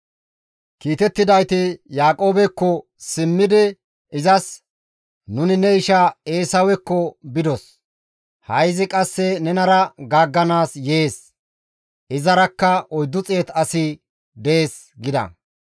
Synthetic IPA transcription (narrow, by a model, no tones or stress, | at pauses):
kiːt̪ɛt̪ːɪd̪ɐjt̪ɪjaːkʼo̞ːbɛkːɔ | sɪmːɪd̪ɪ | ɪzɐs | nʊnɪnɛɪʃɐeːsɐwɛkːɔbɪd̪ɔs | hɐjzɪkʼɐsːɛnɛnɐɾɐɡaːɡːɐnaːsjeːs | ɪzɐɾɐkːɐʔɔjd̪ːʊt͡sʼe̞ːt̪ɐsɪ | d̪eːs | ɡɪd̪ɐ̰